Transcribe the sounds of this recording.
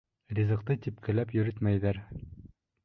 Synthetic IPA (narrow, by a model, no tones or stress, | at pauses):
rʲizɤ̆qt̪ɤt̪ip̚kɘ̆læpjɵ̆ɾɘt̪mæjðæɾ